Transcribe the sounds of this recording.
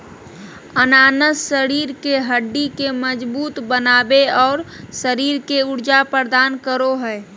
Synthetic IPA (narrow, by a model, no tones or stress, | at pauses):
ənaːnəssəɾiːɾkeɦəɖːikeməd͡ʒbuːt̪bənaːbeɔːɾsəɾiːɾkeʊɾd͡ʒapəɾd̪aːnkəɾoɦɛɪ